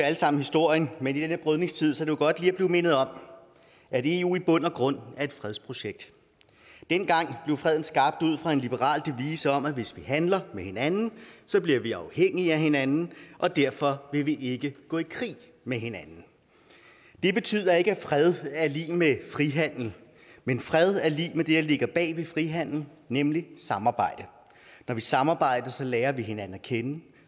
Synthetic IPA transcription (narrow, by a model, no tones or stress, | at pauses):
æləsɑ̈m̰n̩hisd̥o̝ɐ̰jənmenid̥enəb̥ʁœðˠne̝ŋst͡sʰið̞̰ˠsɒd̥eoɡ̥ɒ̽d̥liːæb̥le̝ʊme̝nð̩ˠɒ̽m̰ | æde̝uːib̥ɔ̽n̰ɐɡ̥ʁɔ̽n̰æɐe̝d̥fʁɛðˠspʰʁo̝ɕeɡ̥̚d̥ | d̥enɡ̥ɑ̈ŋ̰b̥le̝ʊfʁɛð̞̰ˠn̩sɡ̥ɑ̈ːb̥̚d̥uð̞̰ˠfʁɑ̈e̝nlib̥əʁɑ̰̈ːld̥e̝ʋḭːsəɒ̽mæʋe̝sʋiɦænlɐmehe̝nænn̩sɒ̽b̥liɐ̰ʋiɑ̈ʊheŋ̰iæhe̝nænn̩ʔɒ̽d̥æɐ̰fɒ̽ʋe̝ʋiʔe̝ɡ̥əɡ̥ɔ̰̽ːikʰʁḭː | meɦe̝nænn̩ | d̥e̝b̥e̝t͡sʰy̰ːð̰ˠɐe̝ɡ̥əæfʁɛðˠæɐlḭːmefʁiɦæn̰l̩ | menfʁɛð̞ˠæɐliːmed̥e̝dæle̝ɡ̥ɐb̥ɛ̰ːʋifʁiɦæn̰l̩ | nemlisɑ̈mɑ̈ːb̥ɑ̈ɪ̰d̥ə | nɒʋisɑ̈mɑ̈ːb̥ɑ̈ɪ̰d̥ɐsɒ̽lɛːɐʋiɦe̝nænn̩kʰenə